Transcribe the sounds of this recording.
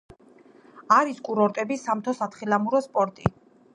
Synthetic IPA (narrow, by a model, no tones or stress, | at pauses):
aɾiskʼuɾɔɾt̪ʼɛbisamt̪ʰɔsat̪χilamuɾɔspʼɔɾt̪ʼḭ